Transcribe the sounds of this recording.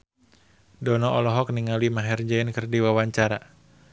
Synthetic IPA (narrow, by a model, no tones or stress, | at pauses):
dɔnɔʔɔlɔɦɔk̚niŋalimaɦɛrd͡ʒaɪnkɨrdiwawaɲt͡ʃaɾa